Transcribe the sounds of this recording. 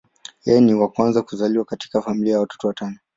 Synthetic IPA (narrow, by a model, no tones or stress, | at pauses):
jɛjɛniwakwanzakuzaliwakati̥kafamiliajawatɔ̥tɔwatanɔ